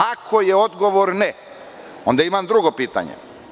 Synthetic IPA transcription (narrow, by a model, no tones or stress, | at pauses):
akʰo̞jeo̞d̪ɡo̞ʋoɾnɛ | ond̪aimamd̪ɾuɡopiːt̪a̰ɲḛ